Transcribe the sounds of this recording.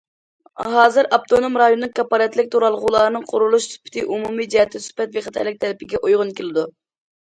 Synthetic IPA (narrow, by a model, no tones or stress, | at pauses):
ɦɑːzɨɾʔɑp̚t̪ʰonomɾɑjonːɨŋkʰɑpːɑɾɛt̪lɪkʲt̪ʰoɾɑlˠʁʊlˠɑːɾɨnɨŋqʰʊɾulˠuʃsy̥pʰɪ̥t̪ʰɪʔumumid͡ʒɛɦɛt̪ʰːɪsy̥pɛt̪veχət̪ʰɑ̰jlɪk̚ʲt̪ʰɛɾɪpʰɪɡʲɛʔojʁʊnkʲelɪd̪u